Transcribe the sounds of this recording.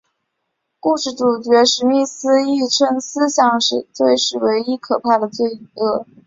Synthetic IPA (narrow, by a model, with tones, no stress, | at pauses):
ku˥˧ʂɻ̩˥˩ʈ͡ʂu˨˩t͡ɕɥɛ˧˥ʂɻ̩˧˥mi˥˩sɹ̩˥i˥˩ʈ͡ʂʰə˥ŋsɹ̩˥ɕjɑ˥˩ŋʂɻ̩˥˩t͡swe˥˧ɪʂɻ̩˥˩we˧˥ɪi˥kʰɤ˨˩pʰa˥˩d̪ə˩t͡swe˥˩ɪ˥˩ɤ˥˩